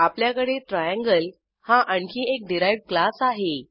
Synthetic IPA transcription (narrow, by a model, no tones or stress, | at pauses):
apljakəɽet̪ɾajãŋɡəl | hãʔəɳkʰiːek̚ɖiɾajʋɽ̚klasaɦe